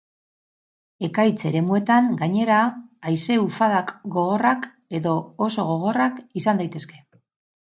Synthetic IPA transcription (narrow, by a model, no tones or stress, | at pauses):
e̞kajt͡se̞ɾe̞mue̞t̪aŋɡaɲe̞ɾaːjse̞ufaðakɡo̞ɣ̞o̞rak | e̞ðo̞ːso̞ɣ̞o̞ɣ̞o̞rakisand̪ajt̪e̞ske̞